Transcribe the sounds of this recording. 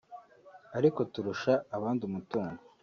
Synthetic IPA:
aɾiko̞tuɾuʃaːβaːndumutuːŋɡo

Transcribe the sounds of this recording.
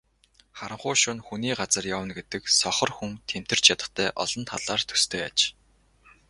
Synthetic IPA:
χaɾə̆ɴχʊːʃʊnxuniːɢat͡sə̆rjawə̆nɡet̪ɘ̆ksɔχɞ̆rxuŋt̪ʰem̥t̪ɘ̆r̥t͡ɕʰjat̪ə̆t̪ʰæːʔɔɮɞ̆nt̪ʰa̰ɮaːrt̪ʰɵ̥st̪ʰeːat͡ɕ

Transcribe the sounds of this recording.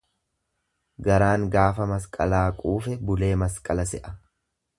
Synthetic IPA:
ɡɐɾaːŋɡaːfɐmɐskʼɐlaːkʼuːfɛbʊle̞ːmɐskʼɐlɐsɛʔɐ̥

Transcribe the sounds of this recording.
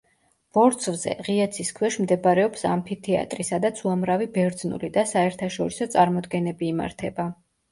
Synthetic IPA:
b̥ɔɾt̪sʰvzɛ̰ʁiat̪sʰiskʰwɛʃmd̪ɛbaɾɛɔpsa̰mpʰit̪ʰia̰t̪ʼɾisad̪at̪sʰuamɾavibɛɾd̪znṵlid̪asaɛɾt̪ʰaʃɔɾisɔt̪sʼaɾmɔd̪ɡɛnɛbiːma̰ɾt̪ʰɛba

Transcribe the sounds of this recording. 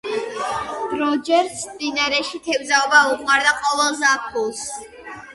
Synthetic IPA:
ɾɔd͡ʒɛɾsmd̪inaɾɛʃit̪ʰɛbzaɔbaukʰmaɾd̪aqʼɔvɛlˠzapʰulˠs

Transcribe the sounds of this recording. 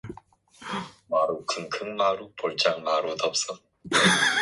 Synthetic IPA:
maɾukʰɯnkʰɯŋmaɾupoɭt͡ɕaŋmaɾutʌp̚s͈ʌ

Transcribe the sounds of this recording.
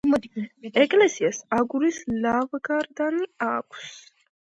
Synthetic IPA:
ɛɡʼlɛsiasaɡuɾislavɡaɾd̪aniakʷʰs

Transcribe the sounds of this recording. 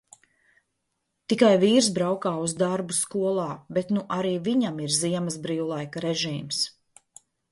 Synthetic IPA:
t̪ikajviːɾs̬bɾawkaːuzd̪aɾbuskuɔlˠɑːbet̪nuʔaɾiːviɲamiɾziɛmɐzbɾiːwlˠajkaɾeʒiːms

